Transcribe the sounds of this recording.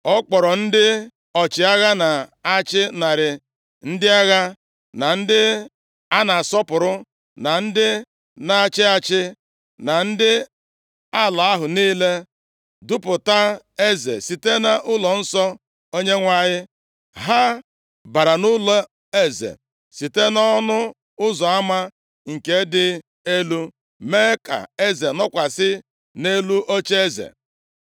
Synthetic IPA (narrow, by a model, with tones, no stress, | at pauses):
ɔ˦k͡pɔ˨ɾɔ˨n̩˦dɪ˦ | ɔ˨t͡ʃɪ˨a˦ɣa˦na˨a˦t͡ʃɪ˦na˨ɾɪ˨ | n̩˦dɪ˦a˦ɣa˦ | na˨n̩˦dɪ˦ | a˦na˨sɔ˦pʊ˨ɾʊ˦ | na˨n̩˦dɪ˦ | na˨a˨t͡ʃɪ˦a˦t͡ʃɪ˦ | na˨n̩˦dɪ˦ | a˦˨la˨a˦ɦʊ˨niː˦le˦ | dʊ˦pʊ˨ta˦ | e˦zḛ˨si˨te˦na˦ʔʊ˦lɔ˨n̩˦sɔ˦ | o˦ɲe˦ŋʷa˦˨ɲɪ˦ | ɦa˦ | ba˨ɾa˨nʊ˦lɔ˦ | e˦zḛ˨ | si˨te˦nɔ˦nʊ˦ | ʊ˦zɔ˨a˦ma˦ | ŋ̩˨ke˦dɪ˦ | e˦lu˦ | me˦ka̰˨e˦ze˨nɔ˦kʷa˨sɪ˦ | ne˦lu˦ʔo˦t͡ʃe˦e˦zḛ˨